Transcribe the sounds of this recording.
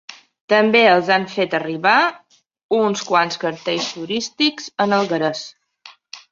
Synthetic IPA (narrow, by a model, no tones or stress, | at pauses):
t̪əmbeəlˠzaɱfet̪əriβa | unskwanskəɾt̪eʎst̪uɾist̪ikz̥ənəlˠɣəɾəs